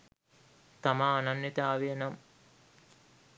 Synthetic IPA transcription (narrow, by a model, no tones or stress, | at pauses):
t̪amaːnanːit̪aːʋijənam